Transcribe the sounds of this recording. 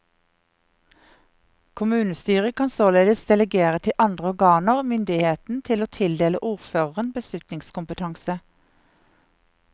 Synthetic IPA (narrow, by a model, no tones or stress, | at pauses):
kʰʊmʉːnəst̪yːʁəkʰɑːnsoːleːd̪əsd̪̥ɛləɡeːʁət̪ʰɪʔɑnd̪ʁəɔʁɡɑːnəʁmʏnd̪ɪheːt̪n̩t̪ʰɪloːt̪ʰɪld̪eːləʔuːʁføːʁəʁənbəslʉt̪nɪŋskʊmpət̪ʰɑŋsə